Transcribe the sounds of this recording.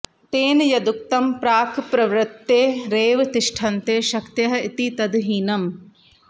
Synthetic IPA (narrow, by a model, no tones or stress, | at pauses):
t̪eːnjɐd̪uk̚t̪ɐmpɾaːkʰpɾɐʋɾɐt̪ːeːɾeːʋt̪iʂʈʰɐnt̪eːʃɐkt̪jɐɦɐ̆it̪it̪ɐd̪ɦiːnɐm